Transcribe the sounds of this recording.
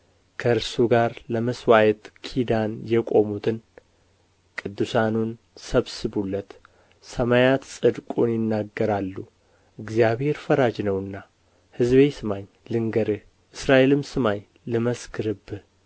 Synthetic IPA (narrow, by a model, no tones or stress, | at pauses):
kʰəɾsuɡaɾləməswajɛt̪kʰid̪anjɛkʼo̞mut̪ʰɨn | kʼɨd̪ːɨsanun | səβsɨβulːət̪ | səmajat̪sʼɨd̪kʼunjɪnːaɡːəɾalːu | ʔɨɡzjaβheɾfəɾad͡ʒnəwɨnːa | hɨzβesɨmaɲ | lɨŋɡəɾɨ | ʔɨsɾaʔelɨmsɨmaɲ | lɨməskʰɨɾɨbɨ